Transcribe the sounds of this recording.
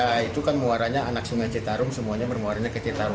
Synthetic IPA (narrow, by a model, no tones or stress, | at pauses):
ait̪ukanmuaɾaɲaanak̚suŋat͡ʃet̪aɾʊmsəmuaɲabərmuaɾaɲakət͡ʃet̪aɾʊ